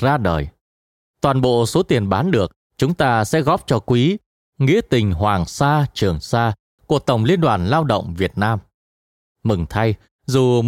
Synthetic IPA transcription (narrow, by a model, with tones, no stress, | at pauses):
zaː˧ɗəː˨˩j | t̪waː˨˩nɓo̰˧˨so˨˦t̪i˨˩ənɓaː˨˦nɗɨ˨˩ək̚ | t͡ɕʊ˨˦ŋ͡mt̪aː˧sɛ̰˧˥ɣɔ˦˥p̚t͡ɕɔ˧kwi˨˦ | ŋḭ˧˥ət̪ï˨˩ŋ̟ɦwaː˨˩ŋsaː˧t͡ɕɨ˨˩əŋsaː˧ | ku˧˨˩ət̪ə˨˩wŋ͡mli˧ənɗwaː˨˩nlaː˧wɗə̰˧˨wŋ͡mvi˨˩ət̚naː˧m | mɨ˨˩ŋt̪ʰa˧j | zu˨˩